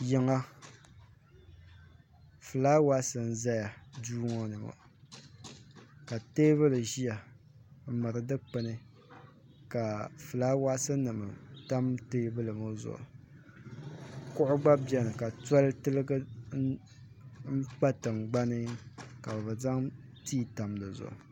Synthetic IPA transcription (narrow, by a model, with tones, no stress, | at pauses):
jɪ˨ŋa˦ | fɨ˨laː˦wa˦sɨ˨n̩˦za˦ja˨duː˦ŋɔ˦nɨ˨mo̰˨ | ka˨teː˦βɨ˦lɨ˨ʒi˦ja˨ | m̩˦mɨ˨ɾɨ˨dɨ˦k͡pɨ˨nɨ˦ | ka˨fɨ˨laː˦wa˦sɨ˦nɨ˨mɨ˨ta˦mteː˦bɨ˦lɨ˨mo˦zʊ̰˨ʔʊ̰˨ | kʊ˦ʔʊ˦ɡ͡ba˦bjɛ˦nɨ˨ka˨ta˦ltɨ˦lɨ˦ɡɨ˦ | m̩˦k͡pa˦tɨ˨ŋ͡mɡ͡ba˦nɨ˦ka˨bbɨ˨za˦ŋtiː˦˨ta˨mlɨ˨zʊ̰˨ʔʊ̰˨